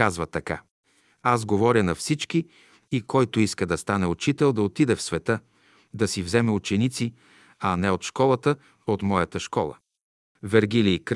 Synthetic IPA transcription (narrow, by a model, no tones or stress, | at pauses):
azvət̪ɐka | azɡovɔɾʲənɐfsit͡ʃkiː | kɔjt̪oiskəd̪ɐst̪anɛʊt͡ʃit̪ɛlˠd̪ɐot̪id̪ɛfsvɛt̪ɤ | d̪ɐsivzɛmɛʊt͡ʃɛnit̪si | ɐnɛot̪ʃkɔlˠət̪ə | ot̪mɔjɐt̪əʃkɔlˠə̰ | vɛɾɡilik